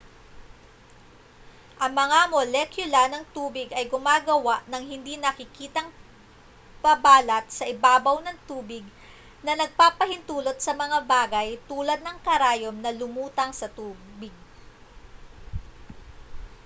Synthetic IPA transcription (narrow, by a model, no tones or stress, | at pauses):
ʔɐŋmɐŋamolɛkjʊlɐnɐŋt̪uːbɪɡɐjɡʊmaːɡɐwaʔnɐŋɦɪnd̪inɐkɪkiːt̪ɐŋ | pɐbaːlɐt̪̚sɐʔɪbaːbɐwnɐŋt̪uːbɪɡ̚ | nɐnɐɡ̚papɐhɪnt̪uːlo̞t̪̚sɐmɐŋabaːɡɐjt̪uːlɐd̪̚nɐŋkɐɾaːjomnɐlʊmuːt̪ɐŋsɐt̪uːbɪɡ̚